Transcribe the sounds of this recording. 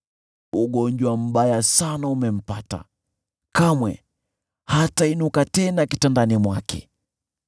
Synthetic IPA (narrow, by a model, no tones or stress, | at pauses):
uɠɔɲd͡ʒwam̩ɓajasanaumɛm̩pata̰ | kamwɛ | hatainukatɛnakitandanimwakʰɛ̰